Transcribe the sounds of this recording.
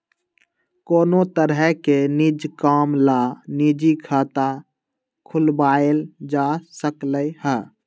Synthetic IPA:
koːnot̪əɾɦɛkenid͡ʒkaːmlanid͡ʒikʰaːt̪a | kʰʊlbaːeld͡ʒaːsəkləjhɛː

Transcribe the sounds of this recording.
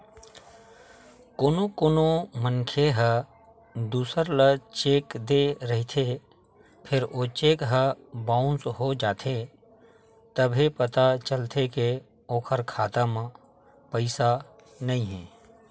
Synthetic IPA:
koːnokoːnomənkʰeɦə | d̪uːsəɾlət͡ʃeːkd̪eɾəɦit̪ʰe | pʰɪɾʔoːt͡ʃeːkɦəbãːʊ̃nsɦod͡ʒaːt̪ʰe | t̪əbʱepət̪at͡ʃəlt̪ʰeke | oːkʰəɾkʰaːt̪amã | pəɪsa | nɐĩɦɛ̰̃ː

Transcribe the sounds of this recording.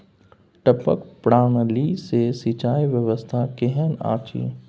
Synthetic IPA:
ʈəpə̰kpɽaːɳ̃lisesit͡ʃaːjʋjəʋəst̪ʰakeɦəna̰ːt͡ʃḭː

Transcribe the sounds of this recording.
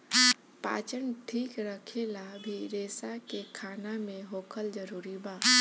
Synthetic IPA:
pa̰ːt͡ʃənʈʰiːkɾəkʰelabʱiɾeːsakekʰaːnamẽɦoːkʰəld͡ʒəɾuːɾibaː

